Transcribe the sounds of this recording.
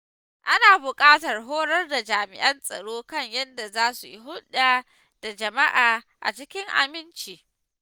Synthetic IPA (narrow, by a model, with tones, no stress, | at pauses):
ʔa˦naː˨bʊ˨kʼaː˦tɐ˨rɦoː˦ɽɐ˦rda˨d͡ʒaː˨mɪ̰˨ʔɐ˦nsʼɐ̰˨ɽoː˦kɐ˦˨ɲjɐ˦nda˨zaː˦su˨ji˦ɦʊ˦ɗaː˦˨ | d̥a˨d͡ʒɐ˨ma˦ʔaː˨ | ʔa̰˨t͡ʃɪ˦kʲɪ˦ŋʔa̰˨mɪ˦nt͡ʃiː˨